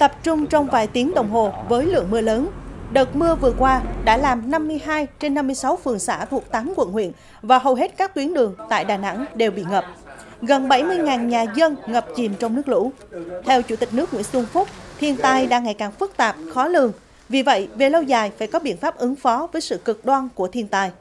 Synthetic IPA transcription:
t̪ə˨˩p̚t͡ɕʊ˧ŋ͡mt͡ɕɔ˧wŋ͡mvaː˨˩jt̪i˨˦əŋɗə˨˩wŋ͡mɦo˨˩vəː˨˦jlɨ̰˧˨əŋmɨ˧ələː˨˦nɗə˨˩t̚mɨ˧əvɨ˨˩əkwaː˧ɗa̰ː˧˥laː˨˩mna˧mːɨ˧əjɦaː˧jt͡ɕe˧nːa˧mːɨ˧əjsa˨˦wfɨ˨˩əŋsa̰ː˧˩t̪ʰu˨˩k̚t̪aː˨˦mkwə̰˧˨nhwḭ˧˨ən | vaː˨˩ɦə˨˩wɦe˦˥t̚kaː˦˥kːwi˨˦ənɗɨ˨˩əŋt̪a̰ː˧˨jɗaː˨˩na̰˧˥ŋɗe˨˩wɓḭ˧˨ŋə˨˩p̚ | ɣə˨˩nɓa˧˩jmɨ˧əjŋaː˨˩nɲaː˨˩zə˧nŋə˨˩p̚t͡ɕi˨˩mt͡ɕɔ˧wŋ͡mnɨ˦˥ək̚lṵ˧˥ | t̪ʰɛ˧wt͡ɕṵ˧˩t̪ï˨˩k̟̚nɨ˦˥k̚ŋwḭ˧˥ənsu˧ŋfʊ˦˥k͡p̚t̪ʰi˧ənt̪aː˧jɗa̰ː˧˥ŋa˨˩jkaː˨˩ŋfɨ˦˥k̚t̪aː˨˩p̚xɔ˨˦lɨ˨˩əŋ | vi˨˩və̰˧˨jve˨˩lə˧wzaː˨˩jfaː˧˩jkɔ˨˦ɓḭ˧˨ənfaː˦˥p̚ʔɨ˨˦ŋfɔ˨˦vəː˨˦jsɨ̰˧˨kɨ˨˩k̚ɗwa˧nku˧˩ət̪ʰi˧ənt̪aː˧j

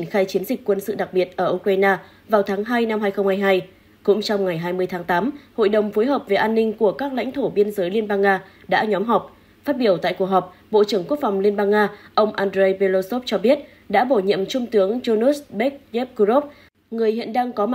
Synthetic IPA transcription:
nxaː˧jt͡ɕi˨˦ənzi˨˩k̟̚kwə˧nsɨ̰˧˨ɗa˨˩k̚ɓi˨˩ət̚ʔəː˧˩ʔu˧kɾaː˧jnaː˧ | vaː˨˩wt̪ʰaː˨˦ŋɦaː˧jna˧mhaː˧jxə˧ŋ͡mhaː˧jɦaː˧j | kʊ̰˧˥ŋ͡mt͡ɕɔ˧wŋ͡mŋa˨˩jɦaː˧jmɨ˧əjt̪ʰaː˨˦ŋt̪aː˨˦mho̰˧˨jɗə˨˩wŋ͡mfo˨˦jɦəː˨˩p̚ve˨˩ʔaː˧nːï˧ŋ̟ku˧˩əkaː˦˥k̚la̰˧˥ŋt̪ʰo˧˩ɓi˧ənzəː˨˦jli˧ənɓaː˧ŋːaː˧ɗa̰ː˧˥ɲɔ˨˦mɦɔ˨˩k͡p̚ | faː˦˥t̚ɓi˧˩əwt̪a̰ː˧˨jku˨˩ək̚ɦɔ˨˩p̚ɓo̰˧˨t͡ɕɨ˧˩əŋku˦˥ək̚fɔ˨˩wŋ͡mli˧ənɓaː˧nŋːaː˧ʔə˧wŋ͡mʔaː˧ndɾe˧jpe˧lo˧so˦˥p̚t͡ɕɔ˧ɓi˦˥ət̚ | ɗa̰ː˧˥ɓo˧˩ɲḭ˧˨əmt͡ɕʊ˧ŋ͡mt̪ɨ˨˦əŋt͡ɕo˧nu˦˥sɓe˦˥k̚ze˦˥p̚kzo˦˥p̚ | ŋɨ˨˩əjhḭ˧˨ənɗaː˧ŋkɔ˨˦˨

